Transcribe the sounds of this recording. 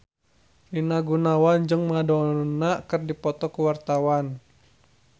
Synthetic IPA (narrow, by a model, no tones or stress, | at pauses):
rinaɡunawand͡ʒɨŋmadɔnakɨrdipɔt̪ɔkuwart̪awan